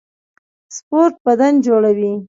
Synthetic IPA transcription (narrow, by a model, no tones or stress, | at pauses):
spoɾʈ̚bad̪and͡ʒoɽawi